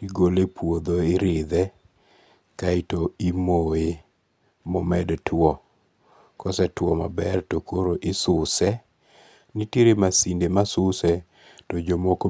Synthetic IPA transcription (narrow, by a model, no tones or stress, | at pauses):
iɡolepʰwod̪oɪɾɪd̪ɛ | kaɪtoimoe | mɔmɛdtʰʊɔ | kɔsɛtwɔma̰bɛrtokoɾoʔɪsʊsɛ | niteɾemasindemasʊsɛ | tɔd͡ʒomoko